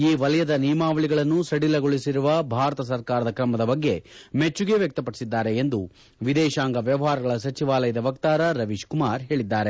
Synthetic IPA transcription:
iːʋɐlɐjɐd̪ɐnijmaːʋɐɭiɡɐɭɐnːusɐɽilɐɡoɭisiɾuʋɐbʱaːɾɐt̪ɐs̬ɐɾkaːɾɐd̪ɐkɾɐmɐd̪ɐbɐɡːe̞met͡ʃːuɡe̞ʋjɐk̚t̪ɐpɐɽi̥sid̪ːaːɾe̞ːnd̪u | ʋid̪ɛːʃaːŋɡɐʋjɐʋɐɦaːɾɐɡɐɭɐsɐt͡ʃiʋaːlɐjɐd̪ɐʋɐkt̪aːɾɐɾɐʋiʃkumaːɾɦe̞ːɭid̪ːaːɾe̞

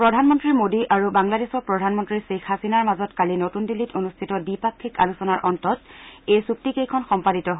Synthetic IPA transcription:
pɹɔdʱanmɔntɹimodiʔaɹubaŋladesɔpɹɔdʱanmɔntɹisekʰːasinaɹmazɔtkalinotundilːitonustʰitɔdipakʰːika̰lusɔnaɹʔɔntɔtejsuk̚tikejkʰɔnxɔmpaditɔɦo

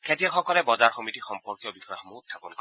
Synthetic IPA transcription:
kʰetiaxɔkɔlɛbɔzaɹxɔmitixɔmpɔɹkjɔbixɔjamoɦutʰːapɔnkɔ

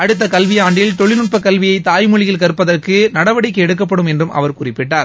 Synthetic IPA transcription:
ɐɽɯt̪̬ːɐkɐlʋɪjaːɳɖɪlt̪ɔɭɪnʊʈ̚pɐkːɐlʋɪjɐɪt̪ːaːjmʊɻɪjɪlkɐɾɯpːɐðɐrkɯnɐɽɐʋɐɽɪkːɯɛɽɯkːɐp̬ːɐɽɯmɛndrɯmʔɐ̰ʋɐɾkkʊrɪpːɪʈːaːɾ

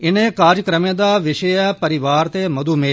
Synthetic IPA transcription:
ɪnẽːkaːɾjəkɾəmẽːd̪aːʋɪʃəɛːpəɾɪʋaːɾt̪eːməd̪uːme

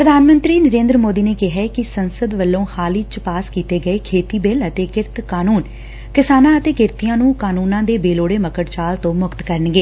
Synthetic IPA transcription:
pɾəd̪ʱaːnmə̃nt̪ɾiːnəɾẽːnd̪ɾəmoːd̪iːneːkɪɦɛkɪsənsəd̪ʋəlːõːhaːliːt͡ʃpaːskiːt̪eːɡəeːkʰeːt̪iːbeːlət̪eːkɪɾt̪ʰkaːnuːn | kɪsaːnãːət̪eːkɪɾt̪ijãːnũːkaːnuːnãːd̪eːbeːloːɽeːməkəʈt͡ʃaːlt̪õːmʊkt̪kəɾəɳɡeː

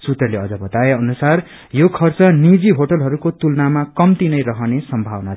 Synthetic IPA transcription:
sut̪ʌleʌd͡zʌbʌt̪aeʌnusar | jokʰʌrt͡sʌnid͡ziɦoʈʌlɦʌɾukot̪ulnamakʌmt̪inʌjɾʌɦʌnesʌmbʱawʌna

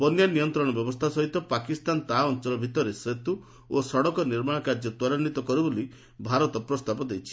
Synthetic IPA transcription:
bɔnjanijɔnt̪ɾɔɽ̃ɔbjɔbɔst̪ʰasɔɦit̪ɔpakist̪ant̪aɔnt͡ʃɔlɔbʱit̪ɔɾesɾet̪u | osɔɽɔkɔniɾmaɽ̃ɔkaɾd͡ʒɔt̪wɔɾanːit̪ɔkɔɾeboli | bʱaɾɔt̪ɔpɾɔst̪ʰapɔd̪ejt͡ʃʰi̥

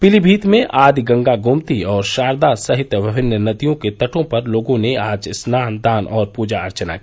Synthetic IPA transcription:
pɪlibʱiːt̪mẽʔaːd̪iɡɐ̃ŋɡaɡʱʊmt̪iɔːɾʃaːɾd̪asɐɦɪt̪ʋɪbʱɪnːənɐd̪ijõket̪ɐʈõpɐɾloːɡõneaːd͡ʒsnaːnd̪aːnʔɔːɾpuːd͡ʒaɐɾt͡ʃəna̰ki

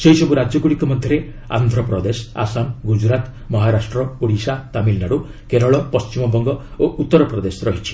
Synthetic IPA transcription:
seɦisɔbuɾad͡ʒjɔɡuɽikɔmɔd̪ʱjɔɾe | a̰nd̪ʱɾɔpɾɔd̪esɔa̰sanɡud͡ʒɾat̪ | mɔɦaɾasʈɾɔuɽisat̪amilnaɽu | keɾɔɭɔpɔst͡ʃimɔbɔŋɡɔoʔut̪ːɔɾɔpɾɔd̪esɔɾɔɦit͡ʃʰi̥

